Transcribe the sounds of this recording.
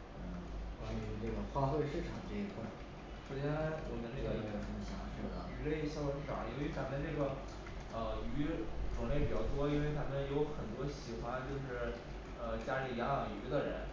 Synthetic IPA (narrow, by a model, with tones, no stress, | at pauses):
a˥˩˧ʈ͡ʂə˥˩ɡə˩xwa˥˧t̪we˥˧ɪʂɻ̩˥˩ʈ͡ʂʰɑ˨˩˦ŋʈ͡ʂɤ˥˩i˧˥kʰwa˥˩ | st͡ɕi˥˩a˥˩wɔ̰˨˩mə˧nʈ͡ʂe˥˩ɡə˧i˧˥˩ə˧˩ə˧˥n˥˩ɕjɑ̰˧˥˦ŋʂɻ̩˥˩d̪ə̰˩y˧˥le˥˧ɪɕjɑ˥˧˥ɑ̰˨˩˦ŋjo˧˥y˧˥t͡sa˧˥mə˥˧ʈ͡ʂɤ˥˩ɡə˩ | ə˧y˧˥ʈ͡ʂwʊ˨˩ŋle˥˩ɪpi˨˩t͡ɕjɑ˥˩ʊt̪wɔ˥i˥nwe˥˧ɪt̪ʰa˧˥mə˧˨˧njo˧˥ʊxə˨˩nt̪wɔ˥ɕi˨˩xwa˥nt͡ɕjo˥˧ʊʂɻ̩˥˩ | ə˧t͡ɕja˥li˨˩ljɑ˧˥lɑ˨˩ŋy̰˧˥d̪ə˧ɻə̰˧˥n